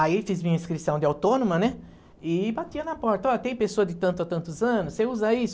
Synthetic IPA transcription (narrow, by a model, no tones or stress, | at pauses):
aifizmĩɲɐĩskɾisɐ̃w̃d̪ɪawt̪onomɐnɛ | ɪbat̪iɐnɐpɔɾt̪ɐɔɐt̪ẽj̃pesoɐd̪ɪt̪ɐ̃nt̪ʊat̪ɐ̃nt̪ʊzɐ̃nʊsseuzaisʊ